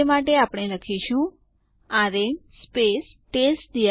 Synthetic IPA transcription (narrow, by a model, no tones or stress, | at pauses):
emaʈeapɽ̃eləkʰiʃũ | aɾemspesʈesd̪i